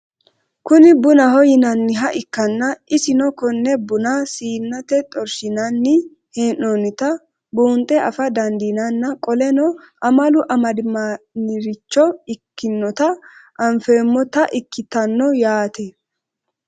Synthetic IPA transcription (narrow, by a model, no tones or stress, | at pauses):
kʊnɪbʊnɐhɔjɪnɐnːɪɦɐʔɪkːɐnːɐʔɪsɪnɔkɔnːɛbʊnasiːnːɐt̪ɛt̪ʼɔɾʃɪnɐnːɪ | henːonɪt̪ɐ | buːnt̪ʼɛʔɐfɐd̪ɐnd̪inɐnːɐkʼɔlɛnɔʔɐmɐlʊʔɐmɐd̪ɪmanɪɾɪt͡ʃːɔɪkːɪnːɔt̪ɐʔɐɱfe̞ːmːɔt̪ɐʔɪkːɪt̪ɐnːɔjaːt̪ɛ